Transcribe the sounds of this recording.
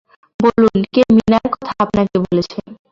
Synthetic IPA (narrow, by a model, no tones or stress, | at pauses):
bolunkeminaɾkɔt̪ʰaapnakebolet͡ɕʰen